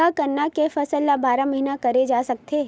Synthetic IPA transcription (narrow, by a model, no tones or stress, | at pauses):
akɐɾnakefɐsəlːabaːɾamɐɦinakɐɾed͡ʒaːsɐk̚t̪e